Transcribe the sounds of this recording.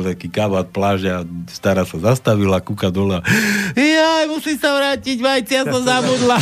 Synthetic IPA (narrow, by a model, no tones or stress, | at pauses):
t̪akiːkaʋat̪̚plaːʒɛast̪aɾaːsazast̪aʋilakukad̪ɔlɛajajmusimsaʋɾaːciɟmajt͡sijasɔmzabud̪la